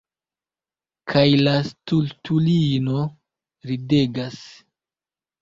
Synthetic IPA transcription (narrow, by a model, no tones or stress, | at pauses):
kʰajlastultulino̞ | ɾide̞ɡas